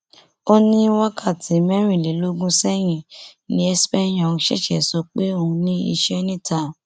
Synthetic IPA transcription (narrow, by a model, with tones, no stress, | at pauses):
o˦nĩ˦wa˦kʰa˦˨tʰi˨mɛ̃˦ɾ̃ĩ˦˨le˨˦lo˦ɡũ˦sɛ˦j̃ĩ˨nĩ˦ɛ˧spɛ˦j̃ɔ̃˦˨ũ˧ʃɛ̰˦ʃɛ̰˦˨sɔ˧k͡pe˦o˧ũ˧nĩ˦ḭ˧ʃɛ˦nĩ˦˨ta˨